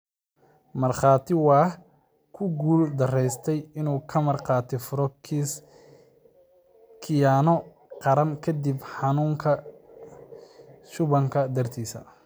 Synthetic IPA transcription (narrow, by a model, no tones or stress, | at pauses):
mɐrχɑːt̪ʰɪwɑːh | kʰʊɡuːld̪ɐrɛjst̪ʰɛjɪnuːkʰɐmɐrqɑːt̪ʰɪfʊɾɔ | kʰɪjanɔ | qɑɾɐmkʰɐd̪ibħɑnuːŋkʰɐ | ʃʊβɐŋkʰɐd̪ɐrt̪ʰiːsɐ̰